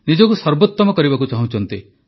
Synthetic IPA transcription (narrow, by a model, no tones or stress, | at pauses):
nid͡ʒɔkusɔɾbɔt̪ːɔmɔkɔɾibakut͡ʃaɦũt͡ʃʰɔnt̪i